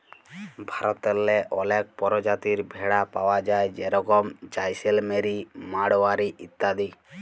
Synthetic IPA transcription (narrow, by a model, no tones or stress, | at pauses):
bʱaɾɔt̪ɛlːɛʔɔlɛk̚pɔɾɔd͡ʒat̪iɾbʱɛɽapawad͡ʒajd͡ʒeɾɔkɔmt͡ʃajselmeɾimaɽɔwaɾiʔit̪ːad̪i